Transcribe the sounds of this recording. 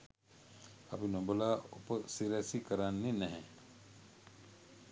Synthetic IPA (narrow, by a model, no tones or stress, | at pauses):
a̰pinobəlaːopəsiɾɛsikəɾanːinɛɦɛ